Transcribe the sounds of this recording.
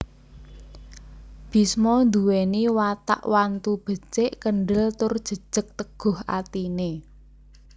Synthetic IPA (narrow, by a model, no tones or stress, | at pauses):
b̥i̤smɔnd̪uweniwat̪a̰ʔwant̪ub̥ə̤t͡ʃeʔkəɳɖəlt̪ʊrd̥ʒ̥ə̤d̥ʒ̥ə̤k̚t̪əɡ̥ʊ̤ha̰t̪ine